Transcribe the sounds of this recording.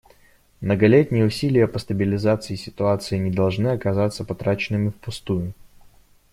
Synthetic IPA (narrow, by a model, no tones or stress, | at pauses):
mnəɡɐlʲetʲnʲɪjəʊsʲilʲɪjəpəst̪əbʲɪlʲɪzat̪sɨɪsʲɪt̪ʊat̪sɨɪnʲɪd̪ɐlˠʐnɨɐkɐzat̪sːəpɐt̪ɾat͡ɕɪnːɨmʲɪfpʊst̪ujʊ